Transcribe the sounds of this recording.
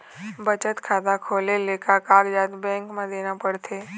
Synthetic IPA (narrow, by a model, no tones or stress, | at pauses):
bət͡ʃət̪kʰaːd̪akʰoːlelekakaːɡd͡ʒaːt̪bɛ̃ŋkmãd̪enapəɽt̪ʰe